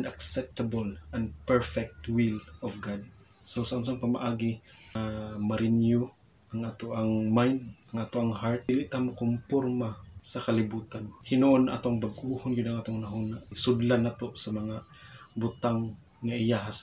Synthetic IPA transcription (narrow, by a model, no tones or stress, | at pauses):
naksɛp̚t̪abolʔanpɛɹfɛk̚t̪wilɔfɡad̪̚ | sosaʔʊns̬aŋpama̰ʔaːɡi | maɾɪnjʊ | ʔaŋʔaːt̪oʔaŋmajnd̪aŋaːt̪oʔaŋɦaɾt̪̚dɪliʔt̪amokompoɾmasakalɪbuːt̪anmhɪnonʔa̰ːt̪oŋbaɡʔuhonɡɪd̪aŋaːt̪oŋnaɦunaʔsʊd̪lanaːt̪osamɐŋa | bʊt̪aŋː | aʔɪjaɦas